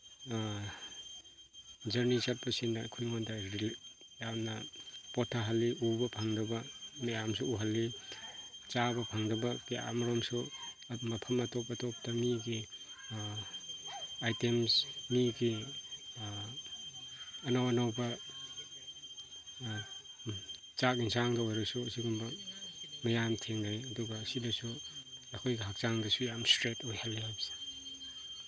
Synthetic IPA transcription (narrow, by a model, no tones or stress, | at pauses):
d͡ʒɐɾnisat̚bɐsinːakʰujŋondaɾil | jamnɐpɔtʰaɦalːiʔubɐpʰaŋdɐbanajamsuuɦalːi | t͡ʃabɐpʰaŋdɐbakia̰mɐɾamsu | mɐpʰɐmatɔpatɔp̚taniɡi | ajtemsmiɡi | nawɐnɐwbɐ | t͡ʃak̚insaŋdɐojɾɐsuɐsiɡumbɐ | mɐjamtʰeŋdajɐduɡɐːsilɐsuɐkʰojɡɐɦak̚t͡ʃaŋdɐsujamstɾetojhalːiabse̥